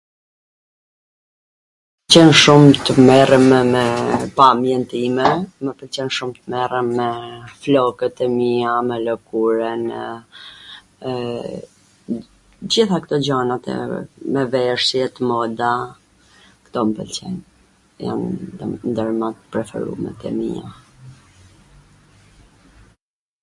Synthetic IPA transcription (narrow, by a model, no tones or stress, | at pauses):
ət͡ɕɛnʃumt̪əmɛrəmmɛpamjɛnt̪imɛməpəlt͡ɕɛnʃumt̪əmɛrəmːɛflɔkət̪ɛmiamɛlɔkuɾən | d͡ʑiθakt̪ɔd͡ʑanat̪ɛ̰mɛvɛʃjɛt̪mɔd̪a | kt̪ɔməpəlt͡ɕɛ̰n | ja̰nnd̪əɾmat̪pɾɛfɛ̰ɾṵmɛ̰t̪ɛ̰mḭa̰